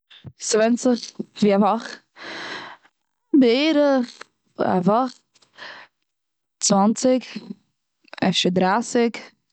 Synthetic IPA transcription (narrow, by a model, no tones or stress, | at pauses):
svɛnt͡sɪχviːavɔχ | bɪeːɾəχ | a̰vɔχt | t͡svant͡sɪk | ɛ̰ʃədɾasɪk